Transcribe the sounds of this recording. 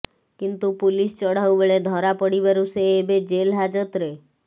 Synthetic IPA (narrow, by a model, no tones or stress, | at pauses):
kint̪upulist͡ʃɔɽ̤awbeɭed̪ʱɔɾapɔɽibaɾuseːbed͡ʒelɦad͡ʒɔt̪ɾe